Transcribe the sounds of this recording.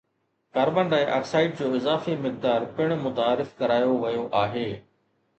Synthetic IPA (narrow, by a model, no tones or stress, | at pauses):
kaːɾbə̃ɳɖaːẽʔa̰ːksaːɪʈ̚d͡ʑoːɪzaːfemɪk̚d̪aːɾpɪɽ̃mʊt̪aːɾɪfkɐɾaːjoʋɐjoʔaːɦeː